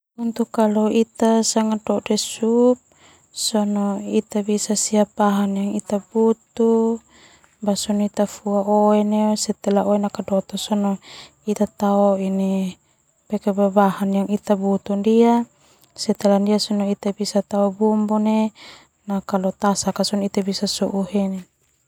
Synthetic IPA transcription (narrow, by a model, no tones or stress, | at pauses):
unt̪ukːalɔit̪asaŋadɔdɛsup̚ | sɔnɔit̪abisasiapaɦanjaŋit̪abut̪u | basɔnit̪afuaoɛnesɛt̪ɛlaoenakadɔt̪ɔsɔnɔ | it̪at̪aɔini | pɛkebabahanjaŋit̪abut̪undia | sɛt̪ɛlandiasɔnɔit̪abisat̪aɔbumbune | nakalɔt̪asakasɔnit̪abisasɔʔuɦɛne